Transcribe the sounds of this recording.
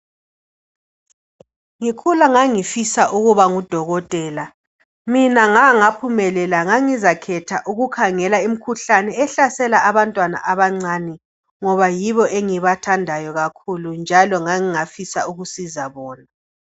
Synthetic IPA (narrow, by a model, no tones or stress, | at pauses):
ŋikʰulaŋaŋifisaʔuɣuβaŋud̥ʱɔɣɔtʼɛːla | minaŋaŋapʰumɛlɛlaŋaŋizakʰɛtʰaʔuɣukʰaŋɛlaim̩kʰuɬanɛɛɬasɛlaʔaβantʼwana̰ʔaβaŋ͡ǀaːnɛ | ŋɔβajiβɔʔeŋiβatʰandʱajɔɣakʰulund͡ʒʱalɔŋaŋiŋafisa̰uɣusizaβɔːna